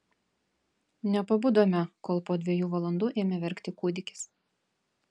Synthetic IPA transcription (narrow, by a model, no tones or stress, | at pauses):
nʲɛpɐbʊd̪oːmʲɛkoːlˠpoːd̪ʲʋʲiɛjuːʋɐlˠɐnd̪uːʔeːmʲɛʋʲɛɾʲkt̪ʲɪkuːd̪ʲɪkʲɪ̥s